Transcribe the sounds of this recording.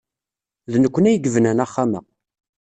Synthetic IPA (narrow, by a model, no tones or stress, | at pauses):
ðnəkʷːənæjəɡvənænæχːamə̰